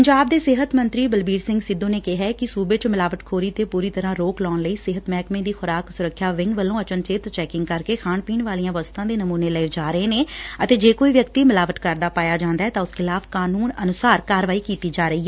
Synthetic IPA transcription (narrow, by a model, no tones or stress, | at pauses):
pəɲd͡ʒaːb̚d̪eːsɪɦət̪mənt̪ɾiːbəlbiːɾsɪ̃ŋɡsɪd̪õːneːkɪɦɛːkɪsuːbeːt͡ʃmɪlaːʋəʈ̪kʰoːɾiːt̪eːpuːɾiːt̪əɾãːɾoːklɔːɳləiːsɪɦət̪mɛːkmẽːd̪iːxʰʊɾaːksʊɾəkʰːjaːʋɪ̃ŋɡʋəlːõːət͡ʃənt͡ʃeːt̪t͡ʃɛːkɪ̃ŋɡkəɾkeːxʰaːɳpiːɳʋaːlijãːʋəst̪ʰãːd̪eːnəmuːneːləid͡ʒaːɾəeːneːət̪eːd͡ʒeːkoːiːʋjəkt̪iːmɪlaːʋət̪kəɾd̪aːpaːjaːd͡ʒãːnd̪aɛːt̪ãːʊskʰɪlaːfʰkaːnuːnənʊsaːɾkaːɾʋaːiːkiːt̪iːd͡ʒaːɾəiːɦɛ